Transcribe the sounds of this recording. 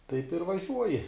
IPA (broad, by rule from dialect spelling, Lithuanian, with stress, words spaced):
tɐɪp ɪr ʋɐˈʒʲuɔjɪ